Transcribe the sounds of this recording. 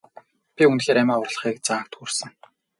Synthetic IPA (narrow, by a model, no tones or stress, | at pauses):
pʲiunxeːɾæmʲæːɔrɮ̆χiːk̚t͡saːk̚t̪xursə̆ŋ